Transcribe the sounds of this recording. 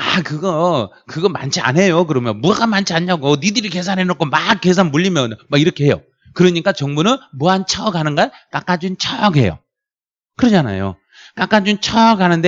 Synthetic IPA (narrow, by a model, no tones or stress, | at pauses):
akɯɡʌ | kɯɡʌma̰nt͡ɕʰia̰nɦe̞jok̬ɯɾʌmjʌnmuaɡamant͡ɕʰiaɲɲaɡonidɯɾike̞s̬ʰanɦenok͈ʰomakk͈es̬ʰanmuʎːimjʌnmaiɾʌkʰe̞ɦe̞jo̰ | kɯɾʌɲik͈at͡ɕʌŋbunɯnmuant͡ɕʰʌɡanɯnɡan | k͈ak͈ad͡ʑunt͡ɕʰʌɡɦe̞̰jo̰ | kɯɾʌd͡ʑana̰jo̰ | k͈ak͈ad͡ʑunt͡ɕʰʌɡanɯnde